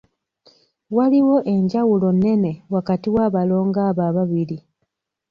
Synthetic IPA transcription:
waliwo̞ʔe̞ɲɟawulo̞ne̞ne̞wakatiwaːβalo̞ːŋɡaːβaβaβili

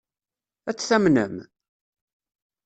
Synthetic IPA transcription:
æt͡sːθæmnə̰m

